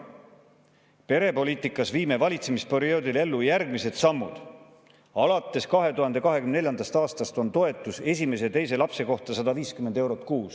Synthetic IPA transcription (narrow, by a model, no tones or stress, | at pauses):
pe̞ɾe̞po̞lʲiːt̪ikːˑɑsviːme̞vɑlʲit̪se̞mispe̞ɾio̞ːd̪ile̞lːujærɡmise̞d̪̥sɑmːṵd̪̥ | ɑlɑt̪ːˑe̞skɑɦe̞t̪uɦɑnd̪̥e̞kɑɦe̞kymnelʲjɑnd̪ɑst̪ɑːst̪ɑst̪o̞nt̪o̞e̞t̪ːˑuse̞s̬ʲime̞s̬et̪e̞jse̞lɑpse̞ko̞ht̪ɑsɑd̪ɑviːskymend̪̥e̞wɾo̞t̪ˑkuːs